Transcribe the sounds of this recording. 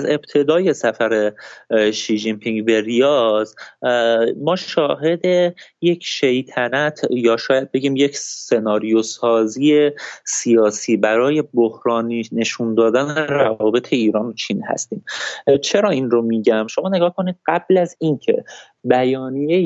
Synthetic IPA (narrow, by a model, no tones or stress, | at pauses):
æze̞b̥̚t̪ʰe̞d̪ɒːje̞sæfæɾe | ʃiːʒimpʰiŋɡbe̞ɾijɒːz | mɒːʃɒːɦe̞d̪e̞je̞cʰʃe̞jt̪ʰænæt̪ʰjɒːʃɒːjæd̪̚be̞ɟiːmje̞cʰse̞nɒːɾijo̞sɒːziːesijɒːsiːbæɾɒːje̞bohɾɒːnine̞ʃund̪ɒːd̪æneɾævɒːbe̞t̪ʰe̞iːɾɒːnot͡ʃʰiːnhæ̰st̪iːmt͡ʃʰe̞ɾɒːinro̞miːɟæmʃo̞mɒːne̞ɡɒːhkʰo̞niːd̪̚ɢæb̥læzincʰe̞̰ | bæjɒːnije